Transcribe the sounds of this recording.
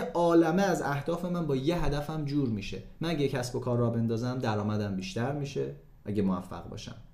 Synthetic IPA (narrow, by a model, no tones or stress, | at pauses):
ɒːlæmeæzæhd̪̥ɒːfe̞mænbɒːje̞ɦæd̪æfæmd͡ʒuːɾmiːʃe̞̰mænæɟecʰæsbo̞kʰɒːɾːɒːbe̞nd̪ɒːzæmd̪æɾɒːmæd̪æmbiːʃt̪æɾmiːʃe̞ | ʔæɟemoæfːæ̰ɣbɒ̰ːʃæ̰m